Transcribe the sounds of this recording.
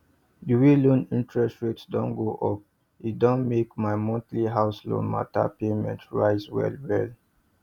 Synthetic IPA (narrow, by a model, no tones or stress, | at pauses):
diwilõnĩntʰɹɛstɹitsdɔ̃nɡoʔɔp̚ | idɔ̃nmekmaɪmɔ̃ntliɦaʊslɔ̰̃nma̰ta̰pemɛ̰̃ntɹaɪzwɛ̰lwɛl